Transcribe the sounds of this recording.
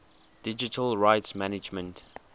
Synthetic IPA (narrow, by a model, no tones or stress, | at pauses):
d̥ɪd͡ʒitʰəlɹaɪtsmænɪd͡ʒmə̃nt